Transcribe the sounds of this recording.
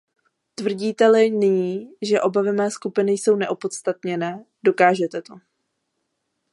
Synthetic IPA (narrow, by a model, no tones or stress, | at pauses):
t̪vr̩ɟiːt̪ɛlɪnɪɲiːʒɛʔo̞bavɪmɛːskupɪnɪjso̞wnɛʔo̞po̞t̪st̪at̪ɲɛnɛː | do̞kaːʒɛt̪ɛt̪o̞